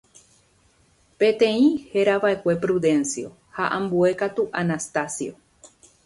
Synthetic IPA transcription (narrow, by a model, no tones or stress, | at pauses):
pẽ̞t̪ẽ̞ĩhe̞ɾaβae̞kʷe̞pɾuðẽ̞nsio̞̰ | haʔãmbue̞kat̪uʔanast̪asjo